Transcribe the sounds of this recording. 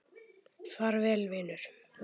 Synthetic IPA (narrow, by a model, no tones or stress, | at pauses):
θaɾvɛːlvɪːnʏɾ̥